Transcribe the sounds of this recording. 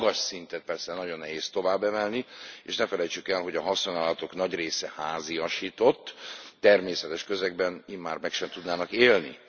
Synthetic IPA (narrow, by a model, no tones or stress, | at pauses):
ɡɒʃsint̪ɛt̪̚pɛrsɛnɒɟo̞nːɛɦeːst̪o̞vaːbːɛvɛlniḛːʃnɛfɛlɛjt͡ʃykɛlɦo̞ɟɒɦɒsonaːlɒt̪o̞knɒɟreːsɛhaːziɒʃiːt̪o̞t̪ːɛrmeːsɛt̪ɛʃkøzɛɡbɛniːmmːaːrmɛkʃɛmt̪ud̪naːnɒkeːlnḭ